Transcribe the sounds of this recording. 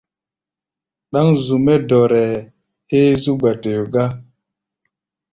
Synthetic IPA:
ɗa˦ŋzu˨me˦dɔ˨ɾɛ˨ | e˦zu˦ɡ͡ba˨te˨jo˨ɡa˦

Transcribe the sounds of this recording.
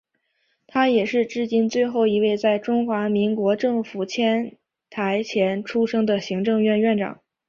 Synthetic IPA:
t̪ʰa˥jɛ˨˩ʂɻ̩˥˧ʈ͡ʂɻ̩˥˩t͡ɕi˥nt͡swe˥˧ɪxo˥˩ʊi˧˥we˥˧ɪt͡sa˥˩ɪʈ͡ʂʊ˥ŋxwa˧˥mi˧˥ŋkwɔ˧˥ʈ͡ʂɤ˥˩ŋfu˨˩t͡ɕʰjɛ˥n | t̪ʰa˧˥ɪt͡ɕʰjɛ˧˥nʈ͡ʂʰu˥ʂɤ˥ŋd̪ə˨ɕi˧˥ŋʈ͡ʂɤ˥˧ŋɥɛ˥˧nɥɛ˥˩nʈ͡ʂɑ̰˨˩˦ŋ

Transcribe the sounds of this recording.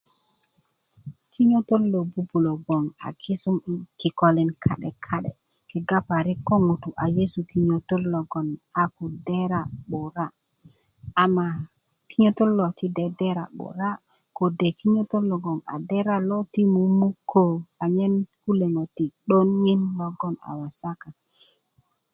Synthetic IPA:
ki˦ɲo˦to˦lːo˨bu˦bu˨lo˨ɡo˨ŋa̰˨ki˦su˦mi˨ki˨ko˨li˨nkʰa̰˦ɗe˨kʰa˦ɗḛ˨ | ki˨ɡa˦pa˨ɾi˦kːo˦ŋu˨tu˨ʔa˨je˦su˨ki˦ɲo˨to˦lːo˨ɡo˨na˨ku˨de˦ɾa˨ɓo˨ɾa˦ | a˨mːa˨ | ki˦ɲo˦to˦lːo˨ti˦de˨de˦ɾa̰˨ɓo̰˨ɾa˦ | ko˨de˨ki˦ɲo˦to˦lːo˨ɡo˨ŋa̰˨de˦ɾa˦lo˦ti˦mu˨mu˦kʰːo˨a˨ɲe˦nku˦le˨ŋo˨ti˨ɗo˦nŋi˦nlɔ˦ɡɔ˦na̰˨wa˨sa˦ka˨

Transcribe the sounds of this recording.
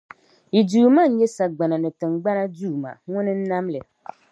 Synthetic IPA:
i˨duː˨ma˦˨n̩˦jɛ˦sa˨ɡ͡ba˨na˨nɪ˨tɪ˨ŋ˨ɡ͡ba˦na˦duː˦˨ma̰˨ŋʊ̃˦nɪ˦n̩˦nã˦mlɪ˨

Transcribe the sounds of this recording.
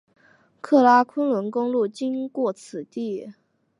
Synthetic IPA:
kʰɤ˥˩la˥kʰwə˥nlwə˧˥nkʊ˥ŋlu˥˩t͡ɕi˥nkwɔ˥˩t͡sʰɹ̩˨˩t̪i˥˩

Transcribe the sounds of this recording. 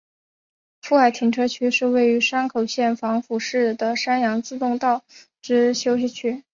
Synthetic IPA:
fu˥˩a˥˩ɪt̪ʰi˨˩ŋʈ͡ʂʰɤ˥t͡ɕʰy˥ʂɻ̩˥˧we˥˩ɪy˧˥ʂa˥nkʰo˨˩ʊɕjɛ˥˩nfɑ˧˥ŋfu˨˩ʂɻ̩˥˩d̪ə˩ʂa˥njɑ˧˥ŋt͡sɹ̩˥˧t̪ʊ˥˧ŋt̪ɑ˥˩ʊ | ʈ͡ʂɻ̩˥ɕjo˥ʊɕ̬i˥˩t͡ɕʰy˥

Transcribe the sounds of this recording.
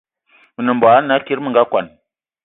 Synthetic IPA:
mə˨nə˨mba˨a˦na˨˦ki˦ɾmə˨ŋɡa˦kʷa̰˨n

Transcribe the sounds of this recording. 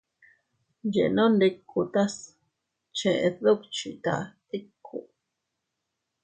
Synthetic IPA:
d͡ʒḛ˨nõ˦nd̪e˧kʰu˧t̪a˦s | t͡ʃẽ˧ʔe˧ðo˦kt͡ʃi˧t̪a̰˧t̪i˦kʰːu˨

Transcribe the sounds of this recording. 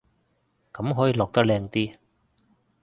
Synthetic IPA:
kɐ˨˥mɦɔː˨˦˥jiː˧lɔː˨k̚t̪ɐ˥lɛː˧ŋt̪iː˥

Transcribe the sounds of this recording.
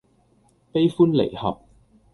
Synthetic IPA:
pe˥jfuː˥nlḛ˨˩jhɐ̰˨p̚

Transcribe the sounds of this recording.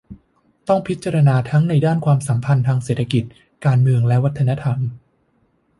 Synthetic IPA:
t̪ɔ˥˩ŋpʰi˦˥t̪̚t͡ɕa˧ɾa˧naː˧t̪ʰa˦˥ŋna˧jdaː˥˩nkʰwaː˧msa˩˦mpʰa˧nt̪ʰaː˧ŋseː˨˩t̪ʰa˧ki˨˩t̪̚ | kaː˧nmɯ˧əŋlɛ˦˥wa˦˥t̪ʰːa˧na˦˥t̪ʰa˧m

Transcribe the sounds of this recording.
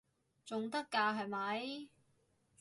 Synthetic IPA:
t͡sʊ˨ŋt̪ɐ˥kːaː˧ɦɐ˨jmɐ˨˧j

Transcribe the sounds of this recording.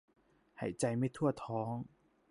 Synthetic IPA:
hɐ̰˨˩jt͡sɐ˧jme˥t̪ʰu˥˩˧t̪ʰɔː˨˥ŋ

